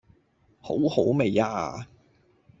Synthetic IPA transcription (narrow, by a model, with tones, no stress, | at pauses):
ho̰˨˥who˨˥wme˨ja̰ː˧